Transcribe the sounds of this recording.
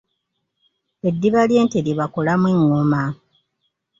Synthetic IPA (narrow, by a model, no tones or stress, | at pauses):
e̞dːiβalje̞ːnteɾjeβako̞lamweŋːoma